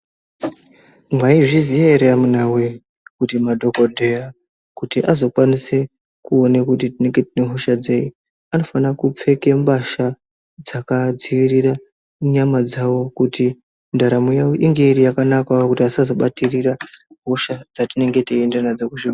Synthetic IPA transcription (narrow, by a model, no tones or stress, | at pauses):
mwaiʐizijeɾeamunawe̞ | kutimadʱo̞ko̞dʱeja | kutiʔazo̞kwanise | kuo̞nekut̬itine̞ŋɡe̞tine̞ɦo̞ʃad͡zeji | ano̞fanakup͡fe̞ke̞mbaʃa | d͡zakad͡ziirira | ɲamad͡zawo̞kuti | ndaɾamujaoʔiŋɡeiɾijakanakakutiasazo̞ɓatiriraɦo̞ʃad͡zatine̞ŋɡe̞tiendanad͡zokuʐi